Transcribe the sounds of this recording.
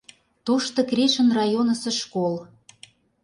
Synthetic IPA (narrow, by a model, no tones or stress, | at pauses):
t̪oʃt̪ɤ̆kreʃə̆nrɑjonə̆sĕʃkol